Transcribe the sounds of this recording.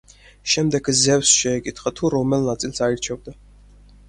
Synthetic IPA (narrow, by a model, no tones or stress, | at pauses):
ʃɛmd̪ɛɡzɛvsʃɛːkʼit̪χat̪ʰuɾɔmɛlnat̪sʼilˠsaiɾt͡ʃʰɛvd̪a